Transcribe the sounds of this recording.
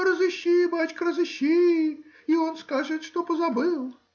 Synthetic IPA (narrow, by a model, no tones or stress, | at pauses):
ɾəzɨɕʲːibat͡ɕkɾəzɨɕʲːi | iɔnskaʐɨt̪ʂt̪ɔpəzabɨlˠ